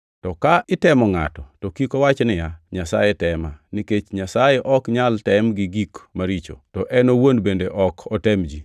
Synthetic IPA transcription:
tɔkaʔɪtɛmɔŋa̰tɔtɔkikɔwat͡ʃnɪjaɲasa̰jetɛmaniket͡ʃɲasajeʔɔkɲaltɛmɡɪɡikmaɾit͡ʃo̰tɔʔɛnowonbendeʔɔkʰɔtɛmd͡ʒi

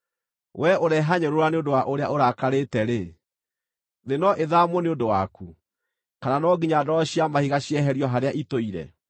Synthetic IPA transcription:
wʔɛoɾɛɦaɲeɾoɾaneondowaʔoɾea̰ʔoɾakaɾetɛɾe | ðenɔʔeðamwɔneondowaku | kananɔɡiɲadɔɾɔɕiamahiɣaɕiɛɦɛɾjɔɦaɾeaʔitoiɾɛ̰

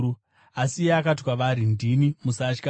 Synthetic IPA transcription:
u | asijeakatwaʋaɾindinimusat͡ʃka

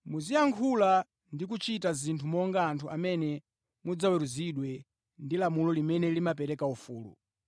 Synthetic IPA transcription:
muzijaŋkʰula | ndik̬ut͡ʃitazintʰumɔŋɡaːntʰuʔamɛnɛ | mud͡zawɛɾuziɗwɛ | ndilamulɔlimɛnɛlimapɛɾɛkaufuːlṵ

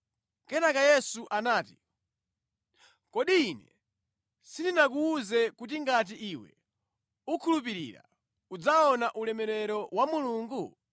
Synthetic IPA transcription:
kɛnakajɛsuʔanaːti | kɔɗiːnɛ | sindinakuːzɛkut̬iŋɡat̬iʔiwɛ̰ | ukʰulup̬iɾḭːɾa̰ | ud͡zaɔnaʔulɛmɛɾɛɾɔwamuluːŋɡu

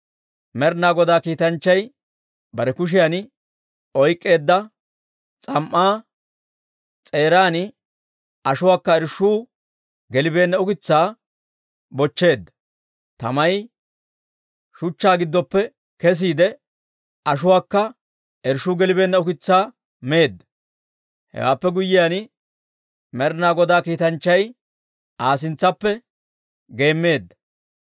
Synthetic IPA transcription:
mɛɾnaːɡɔd̪aːkiːt̪ɐnt͡ʃːɐj | bɐɾɛkʊʃ̬ɪjan | ɔjkʼːe̞ːd̪ːɐ | t͡sʼɐmʔːaː | t͡sʼe̞ːɾaːnɪ | ɐʃʊwaːkːɐɛɾʃuː | ɡɛlɪbe̞ːnːɐʊkɪt͡sːaː | bɔt͡ʃːe̞ːd̪ːɐ | t̪ɐ̰mɐj | ʃʊt͡ʃːaːɡɪd̪ːɔpːɛ | kɛs̬iːd̪ɛ | ʔɐʃʊwaːkːɐ | ʔɛɾʃuːɡɛlɪbe̞ːnːɐʊkɪt͡sːaː | me̞ːd̪ːɐ | hɛ̰wa̰ːpːɛɡʊjːɪjan | mɛɾnaːɡɔd̪aːkiːt̪ɐnt͡ʃːɐj | ʔaːs̬ɪnt͡sːɐpːɛ | ɡe̞ːmːe̞ːd̪ːɐ

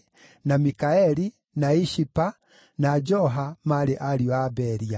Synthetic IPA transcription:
namikaɛɾi | naiʃipa | nad͡ʒɔɦamaɾeʔaɾiɔabɛɾia

